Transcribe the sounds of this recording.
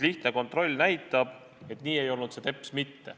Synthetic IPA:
liht̪neko̞nt̪ˑro̞lʲːnæjt̪ːˑɑb̥ | e̞t̪ːˑniːe̞jo̞lnut̪se̞t̪e̞pːˑsmit̪ːe̞̰

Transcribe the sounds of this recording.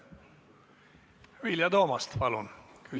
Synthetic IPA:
ʋiljɑd̪oːmɑst̪pɑlunkʰy

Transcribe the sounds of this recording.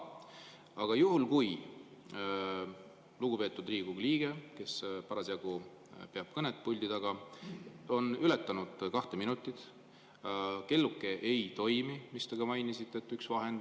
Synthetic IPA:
ɑɡ̥ɑjuɦulkuj | luɡ̥upe̞ːt̪ːˑud̪riːɡuɡliːɡ̥e̞ke̞spɑɾɑsjɑɡ̥u | pe̞ɑb̥̚kɤnet̪̚ːpulʲd̪id̪ɑɡ̥ɑ | o̞nylet̪ːˑɑnud̪̥kɑht̪eminut̪ːˑit̪ | ke̞lːukːˑe̞ʔejt̪o̞jmimist̪eɡ̥ɑmɑjnisit̪ːˑe̞t̪ːˑyksvɑɦen

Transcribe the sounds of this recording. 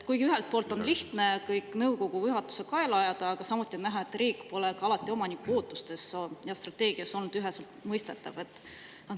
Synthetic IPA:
t̪kujɡiyɦe̞lt̪̚po̞ːlt̪ːˑo̞nliht̪ne̞kɤjkːˑnɤwko̞ɡ̥ujyɦɑt̪ːu̥sekɑelɑjɑd̪̥ɑɑɡ̥ɑsɑmut̪ːˑiennæɦɑe̞t̪ːˑriːkːˑpo̞lekɑɑlɑt̪ːˑio̞mɑnikːuoːt̪ːˑust̪e̞sojɑst̪rɑt̪e̞ːɡ̥iɑso̞lnud̪̥yɦe̞selt̪mɤjst̪e̞t̪ːˑɑ̰ve̞t̪ːˑ | nɑ

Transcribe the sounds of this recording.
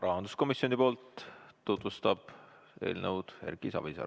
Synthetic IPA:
rɑɦɑnd̪̥u̥sko̞misio̞nipoːlt̪ːut̪vust̪ɑb̥ | e̞̰ːlnəwd̪̥he̞̰ɾɡ̥isɑ̰visɑ̰

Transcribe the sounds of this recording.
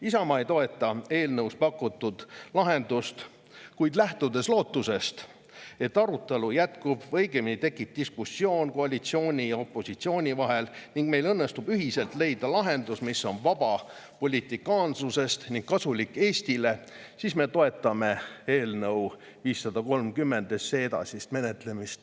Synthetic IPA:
isɑmɑejt̪o̞e̞t̪ːˑɑe̞ːlnɤwspɑkːˑut̪ːˑud̪̥lɑɦe̞nd̪ust̪ | kujd̪̥læht̪ud̪e̞slo̞ːt̪ːuse̞st̪ | e̞t̪ːɑɾut̪ːˑe̞lujæt̪kubvɤ̞jɡeminit̪e̞kːˑip̚d̪̥iskusːio̞ːnko̞ɑlʲit̪sio̞ːnʲijɑo̞pːˑo̞sit̪sio̞ːnʲivɑɦe̞lniŋɡ̥me̞jlɤnːe̞st̪ubyɦise̞lt̪le̞jd̪̥ɑlɑɦe̞nd̪usmisːo̞nvɑbɑ | po̞lʲit̪ˑikˑɑːnsuse̞st̪niŋɡ̥̚kɑsulikːˑe̞ːsʲt̪ile̞ | sisme̞t̪o̞e̞t̪ːˑɑme̞eːlnɤw | viːsːɑd̪̥ɑko̞lmkymːe̞nd̪eseed̪ɑ̰sist̪me̞net̪le̞mist̪

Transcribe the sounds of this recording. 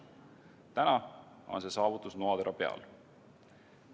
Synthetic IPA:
t̪ænɑ | o̞nse̞sɑːvut̪ːˑusnoɑd̪eɾʔɑpe̞ɑ̰l

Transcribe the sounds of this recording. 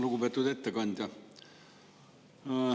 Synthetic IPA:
luɡubet̪ːˑud̪et̪ːekɑnʲd̪ʲjɑ

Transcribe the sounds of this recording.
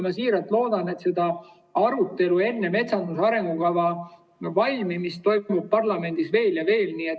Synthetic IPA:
mɑsiːɾɑlt̪ːˑlo̞ːd̪̥ɑne̞t̪se̞d̪̥ɑ | ɑɾut̪ːˑe̞lue̞nːeme̞t̪sɑnd̪̥usɑɾe̞ŋɡ̥ukɑvɑ | vɑlʲmimist̪o̞jmub̥̚pɑrlɑme̞nd̪̥isve̞ːljɑve̞ːlniːet̪

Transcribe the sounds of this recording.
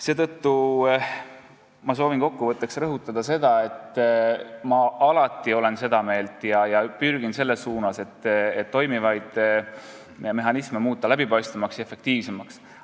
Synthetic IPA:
se̞ːt̪ɤt̪ːu | mɑso̞ːvinko̞kːuvɤt̪ːˑe̞ksrɤɦut̪ːˑɑd̪̥ɑse̞d̪̥ɑe̞t̪ːˑ | mɑʔɑlɑt̪ːˑio̞le̞nse̞d̪ɑme̞ːlt̪ˑjɑjɑpyrɡ̥inse̞lːe̞sːuːnɑse̞t̪ːet̪ːo̞jmivɑjd̪̥ | me̞ɦɑnisme̞muːt̪ˑːɑlæbipɑjst̪ɑmɑksjefe̞kt̪iːvse̞mɑks

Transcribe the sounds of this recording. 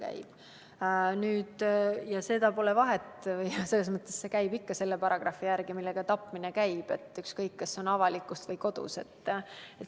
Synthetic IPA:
kæ̰j̰b̥ | nyːd̪̥jɑse̞d̪̥ɑpo̞le̞vɑɦe̞t̪ːvɤjse̞lːes̬mɤt̪ːˑesse̞kæjbikːɑse̞lːepɑɾɑɡ̥rɑfːijærɡ̥imilːe̞ɡ̥ɑt̪ɑpːˑminekæjb̥e̞t̪ːˑykskɤjkːɑsːo̞nɑvɑlikːˑust̪vɤjko̞d̪̥ṵse̞t̪ːˑet̪

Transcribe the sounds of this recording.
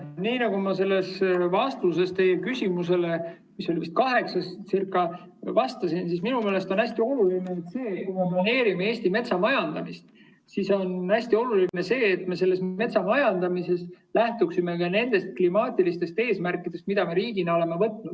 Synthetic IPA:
niːnɑɡ̥umɑse̞lːe̞svɑst̪us̬e̞st̪e̞jekysʲimuse̞le̞ | miso̞liist̪̚kɑɦe̞ksɑssirkːˑɑ | vɑst̪ɑsinsisminume̞ːle̞st̪onæsʲt̪io̞lulineet̪se̞ːkujmeplɑne̞ːɾimeeːsʲt̪ime̞t̪sɑmɑjɑnd̪̥ɑmist̪ | siso̞næsʲt̪io̞luline̞se̞ːt̪me̞se̞lːe̞sme̞t̪sɑmɑjɑnd̪̥ɑmise̞s | læht̪uksime̞kɑne̞nd̪̥e̞st̪̚klimɑːt̪ʲilist̪e̞st̪e̞ːsmærkːˑid̪̥e̞st̪̚mid̪̥ɑmeɾiːɡ̥inɑo̞le̞me̞vɤt̪nud̪̥

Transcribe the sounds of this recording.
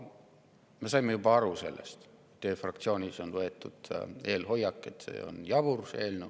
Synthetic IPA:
me̞sɑjmːejub̥ɑɑɾuse̞lːḛst̪ | t̪ːøːfrɑkt̪sio̞ːnʲiso̞nvɤe̞t̪ːˑud̪̥eːlho̞jːɑkːˑe̞t̪sḛːo̰njɑvurse̞ːlnu

